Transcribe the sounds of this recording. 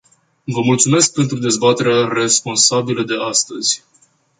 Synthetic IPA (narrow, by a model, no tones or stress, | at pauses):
vəmult̪sume̞sk̚pe̞nt̪ɾud̪e̞zbat̪e̞ɾeare̞spo̞nsabiləd̪e̞ʔast̪əz̥ʲ